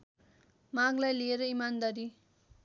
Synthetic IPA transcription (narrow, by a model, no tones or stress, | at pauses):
maŋlajlieɾʌimand̪aɾi